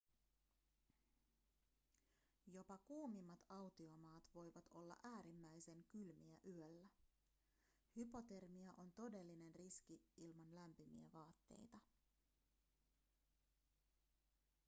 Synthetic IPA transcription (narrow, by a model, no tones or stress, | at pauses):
jo̞pɑkuːmimːɑt̪ɑwt̪io̞mɑːt̪ʋo̞jʋɑt̪ʰo̞lːɑ̰ʔæːɾimːæjse̞ŋkylmiæʔyølːæ | hypo̞t̪e̞rmiɑʔo̞nt̪o̞de̞lːine̞nriskiilmɑnlæmpymḭæ̰ʋɑːt̪ːe̞̰jt̪ɑ